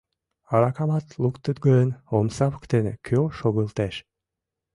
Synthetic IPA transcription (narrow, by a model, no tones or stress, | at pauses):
aɾakamɑt̪lˠukt̪yt̪ɡønomsɑpkt̪enkʰʲoʃoɡɯlˠt̪eʃ